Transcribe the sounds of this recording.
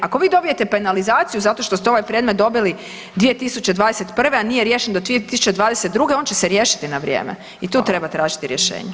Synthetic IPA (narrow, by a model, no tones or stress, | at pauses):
ako̞ʋiːd̪o̞bije̞t̪epenalizaːt̪sijuzat̪o̞ʃt̪o̞st̪ɛo̞ʋajpɾje̞d̪met̪̚d̪o̞bili | d̪ʋije̞t̪isut͡ɕe̞d̪ʋaːd̪eset̪pr̩ʋeanijeɾjeːʃend̪od̪ʋiet̪isu̥t͡ɕe̞d̪ʋaːd̪eset̪̚d̪ɾuɡe̞o̞ːnt͡ɕeseɾjeːʃi̥t̪inaʋɾʲjḛːmḛ | it̪uːt̪ɾe̞bat̪ɾaːʒit̪iɾjeʃḛːɲe